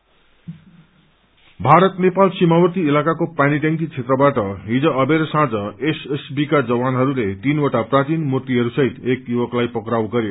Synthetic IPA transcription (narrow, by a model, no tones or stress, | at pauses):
bʱaɾʌt̪nepalsimawʌt̪iːlakakopaniʈaŋkit͡sʰet̪rʌbaʈʌɦid͡zʌ̃ʌbeɾsãd͡zʌesesbikad͡zʌwanɦʌɾulet̪inoʈaprat͡sinmurt̪iɦʌɾusʌɦit̪ekjuwʌklajpʌkɾawɡʌɾjo